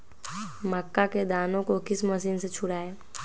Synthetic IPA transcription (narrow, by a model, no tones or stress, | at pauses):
məkːaked̪aːnõkokɪsmɐsiːnset͡ʃʰʊɽaːeː